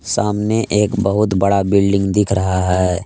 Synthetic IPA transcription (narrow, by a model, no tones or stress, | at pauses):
saːmneʔeːkbɐɦʊt̪bɐɽabɪlɖɪ̃ŋɡd̪ɪkʰɾɐɦaɦɛː